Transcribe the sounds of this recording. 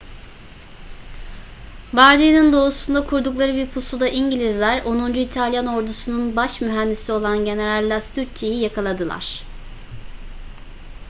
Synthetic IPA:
baɾd̪inind̪o̞usund̪akʰuɾd̪uklˠaɾɯbiɾpʰusud̪aʔiɲɟilʲizlʲæɾo̞nund͡ʒuit̪ʰalʲjano̞ɾd̪usununbaʃmyɦænd̪isio̞lˠanɟe̞ne̞ɾalʲːast̪ʰyɾt͡ʃʰejijakʰalˠad̪ɯlˠa̰ɾ̥

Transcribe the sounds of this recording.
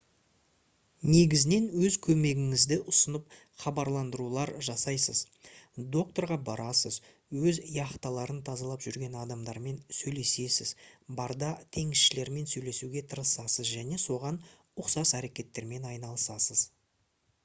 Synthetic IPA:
ne̞ɡʲɪzɪne̞nwɵzkʲʰɵme̞ɡʲɪŋɪzd̪ɪʔʊsənəp̚ | χɑbɑɾlˠɑnd̪əɾulˠɑɾʒɑsɑjsəz | d̪o̞k̚t̪o̞ɾʁɑbɑɾɑsəz | wɵzijɑχt̪ɑlˠɑɾənt̪ʰɑzɑlˠɑpʒʏɾɡʲe̞nɑd̪ɑmd̪ɑɾme̞nsɵjle̞se̞sɪzbɑɾd̪ɑt̪ʰe̞ŋɪsʃɪle̞ɾme̞nsɵjle̞suɡʲe̞t̪ʰəɾəsɑsəzʒæne̞so̞ʁɑn | ʊqsɑsæɾe̞kʲe̞t̪ːe̞ɾme̞nɑjnɑlˠəsɑsəz

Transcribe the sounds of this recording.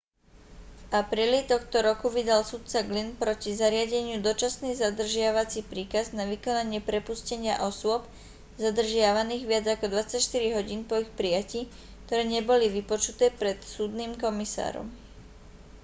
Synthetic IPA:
vʔapɾiːlit̪ɔxt̪ɔɾɔkuʋid̪alsut̪̚t͡saɡlinpɾɔcizaɾɪaɟɛɲɪud̪ɔt͡ʃasniːzad̪r̩ʒɪaʋat͡sipɾiːkaznaʋikɔnaɲɪɛpɾɛpuscɛɲɪaʔɔsʊɔp | zad̪r̩ʒɪaʋaniːɣʋɪad͡zakɔd̪ʋat͡sacʃt̪iɾiɦɔɟiːnpɔixpɾijaciː | kt̪ɔɾɛːɲɛbɔliʋipɔt͡ʃut̪ɛːpɾɛt̪suːd̪niːmkɔmisa̰ːɾɔ̰m

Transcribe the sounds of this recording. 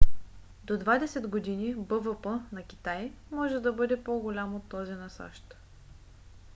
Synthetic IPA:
d̪od̪vad̪ɛsɛd̪ɡod̪inibəvəpənɐkʲi̥t̪ajmɔʒɛd̪ɐbɤd̪ɛpoɡolʲamot̪ːɔzinɐsa̰ʃt̪

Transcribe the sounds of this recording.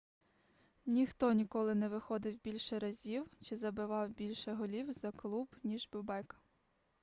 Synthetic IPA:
nʲixt̪ɔnʲikɔlˠɪnɛʋɪxɔd̪ɪwbʲilʲʃɛɾɐzʲiwt͡ʃɪzɐbɪʋɑwbʲilʲʃɛɦɔlʲiwzɐklˠubnʲiʒbʲʊbɛk

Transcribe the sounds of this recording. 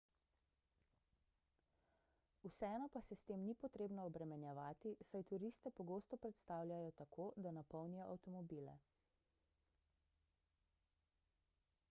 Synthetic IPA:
usɛɛːnɔpasɛst̪eːmnipɔt̪ɾeːbnɔːbɾɛmɛnjɛʋaːt̪isajt̪uɾist̪ɛpɔɡoːst̪ɔpɾɛt̪st̪aːwlʲjajɔt̪akʰoːd̪anapɔwnijɔʔawt̪ɔmɔbiːlɛ̰

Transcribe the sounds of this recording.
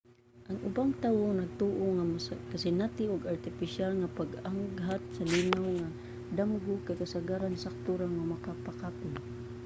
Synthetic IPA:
ʔaŋʔʊbaŋt̪aːwonaɡ̚t̪uʔoŋamskasɪnat̪ɪʔʊɡaɹt̪ɪpɪʃjalŋapaɡaŋɡɦat̪̚salinawŋa | d̪amɡʊkakasaɡaɾansak̚t̪uɾaŋamakapakat̪ʊn

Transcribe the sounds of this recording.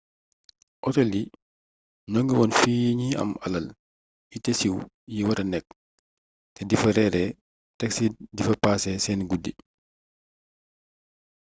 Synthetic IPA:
ʔɔtɔli | nɔŋɡiwɔnfiːjiɲiɐ̰mɐ̰lɐl | itesiw | jiwɐɾɐnɛk̚ | tɛdifɐɾɛɾɛ | tɐksidifɐpaːsɛsɛnɡudːḭ

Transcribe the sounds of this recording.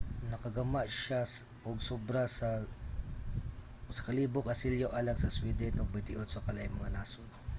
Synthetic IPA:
nɐkɐɡɐmaʔʃas | ʔoɡsobɾasɐ | sɐ̥kɐliːbokɐsiljoʔalɐŋsɐswid̪ɛnʔoɡ̚bɐt̪ɪʔod̪sokɐlajŋmɐŋanaːsod̪

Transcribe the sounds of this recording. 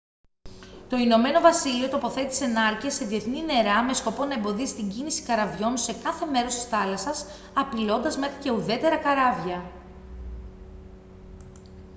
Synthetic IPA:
t̪o̞ino̞me̞no̞vɐsilio̞t̪o̞po̞θe̞t̪ise̞nɐɾciɐse̞ðie̞θnine̞ɾɐme̞sko̞po̞nɐembo̞ðisi̥t̪iɲɟinisi̥kɐɾɐvʝo̞nse̞kɐθe̞me̞ɾo̞st̪isθɐlɐsɐs | ɐpilo̞nd̪ɐzme̞xɾice̞uðe̞t̪e̞ɾɐkɐɾɐvʝɐ

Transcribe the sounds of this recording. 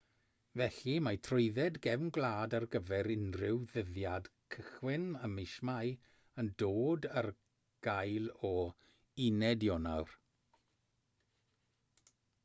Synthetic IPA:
vɛɬimajtʰrʊɨðɛdɡɛvnɡlˠaːdarɡəvɛɾɪnrɪwðəðjadkʰəχwɪnəmɪʃmaj | əndoːdər | ɡ̥ajlˠɔ | ɪnɛdjɔnawr

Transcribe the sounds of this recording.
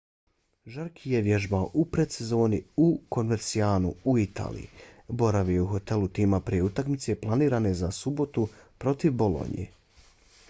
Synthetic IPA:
ʒaɾkʰijeʋje̞ʒbaoʔupɾet̪se̞zo̞ːniuko̞nmeɾt̪sijaːnuuit̪ʰa̰ːlḭjḭbo̞ɾaʋieuxo̞t̪e̞lut̪iːmapɾijeut̪akmit̪se̞plˠaniːɾane̞zasubo̞t̪upɾo̞t̪iʋbo̞lo̞̰nḭjḛ

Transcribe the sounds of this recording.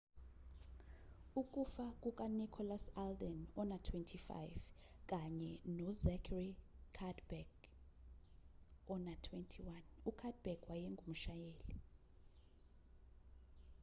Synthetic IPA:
ukʼufakʼuk̬ʼanikʰɔlasaldɛnɔnatʰwɛntʰifa̰jv | k̬ʼaɲɛnɔzɛkʰrikʰadbɛk | ɔnatʰwɛntʰiwanukʰad̚bɛkwajɛŋɡʱum̩ʃajeːli

